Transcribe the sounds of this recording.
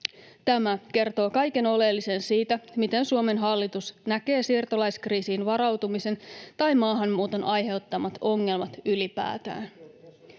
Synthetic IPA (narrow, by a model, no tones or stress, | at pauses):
t̪æmæke̞rt̪o̞ːkɑjke̞no̞le̞lːise̞nsiːt̪æmit̪e̞nsuome̞nɦɑlːit̪usnæke̞ːsirt̪olɑjskriːsiːnʋɑɾɑwt̪umise̞nt̪ɑjmɑːɦɑnːuːt̪o̞nʔɑjɦe̞wt̪ːɑmɑt̪o̞ŋːe̞lmɑt̪ylipæ̰ːt̪æ̰ːn